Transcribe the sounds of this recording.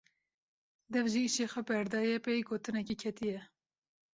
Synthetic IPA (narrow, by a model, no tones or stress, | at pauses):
d̪ɛvʒiiʃeːxʷɛbɛɾd̪ɑːjɛpejɡoːt̪ɨnɛkikʰɛt̪ijɛ